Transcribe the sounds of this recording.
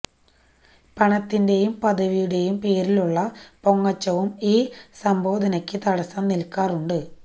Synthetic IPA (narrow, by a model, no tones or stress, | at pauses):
pɐɳɐt̪ːinde̞jumpɐd̪ɐʋijuɽe̞jumpe̞ːɾiluɭːɐpo̞ŋːɐt͡ɕːɐʋumiːsɐmbo̞ːd̪ʱɐnɐkʲːɨt̪ɐɽɐsɐːmnilkːaːruɳɖɨ